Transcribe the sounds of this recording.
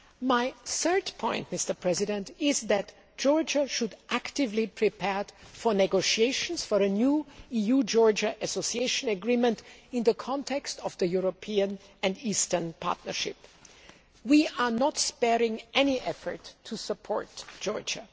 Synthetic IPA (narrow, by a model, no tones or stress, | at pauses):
maɪθɜ˞dpʰɔ̃ɪ̃ntmɪstə˞pʰɹ̥ɛzɪdɛ̃ntɪzðæt | d̥ʒ̥ɔɹd͡ʒəʃʊdʔæktɪvlipʰɹ̥ipʰɛɹfɔ˞nɛɡoʊʃieɪʃə̃nsfɔɹɨnjuijud͡ʒɔɹd͡ʒəʔɨsosieɪʃə̃nəɡɹĩmə̃ntɪ̃nðəkʰɑ̃ntʰɛkstɔvðəjuɹopʰiə̃nɨ̃ndistə˞npʰa̰ɹtnə̰˞ʃɪ̰p | wiʔənətspɛɹɪ̃ŋʔɛniʔɛfə̰˞tʰːusəpʰɔ̰ɹtd̥ʒ̥ɔ̰ɹd͡ʒə